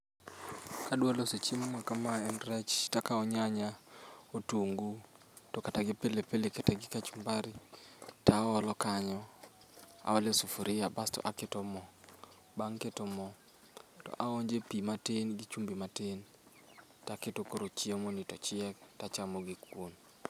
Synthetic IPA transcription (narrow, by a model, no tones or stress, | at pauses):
kadwaloset͡ʃemmakamaɛnɾɛt͡ʃtakaɔɲaɲaotuŋɡu | tokataɡɪpelepeleketɛɡɪkat͡ʃumbaɾitaɔlɔkaɲɔ | a̰ɔlesufuɾɪjabastɔ̰ʔaketomɔ | baŋketomɔ | tɔ̰ʔaɔɲd͡ʒepimatenɡit͡ʃumbimaten | taketokoɾot͡ʃɪemonitɔt͡ʃɪɛk̚tat͡ʃamoɡikwon